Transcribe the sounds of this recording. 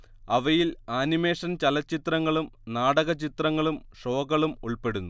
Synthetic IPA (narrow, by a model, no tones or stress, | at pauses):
ɐʋɐjilaːnime̞ːʂɐnt͡ɕɐlɐt͡ɕːit̪rɐŋːɐɭumnaːɽɐɣɐt͡ɕit̪rɐŋːɐɭumʂo̞ːɡɐɭumuɭpe̞ɽunːu